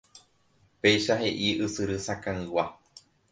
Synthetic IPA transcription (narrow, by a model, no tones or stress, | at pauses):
pe̞jʃaɦe̞ʔiʔɨsɨɾɨsakãɨ̃wa